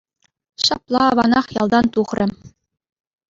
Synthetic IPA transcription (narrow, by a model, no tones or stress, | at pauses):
ɕɑplˠɑɑʋɑnɑχjɑlˠd̪ɑnt̪uχrʲɘ̆